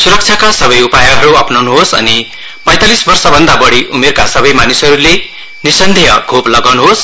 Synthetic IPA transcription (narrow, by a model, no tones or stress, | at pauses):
suɾʌk̚t͡ʃʰakasʌβʌjupajʌɦʌɾuʌpnʌwnuɦosʌ̰ni | pʌ̃j̃t̪alisbʌrsʌbʱʌnd̪abʌɽiʔumerkasʌbʌjmanisʌɾule | nisʌnd̪ʱijʌɡʱoplʌɡawnuɦos